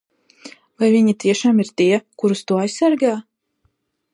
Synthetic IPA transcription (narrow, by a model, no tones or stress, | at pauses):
vajvʲiɲit̪ʲiɛʃaːmiɾt̪iɛkuɾust̪uɔajsaɾɡaː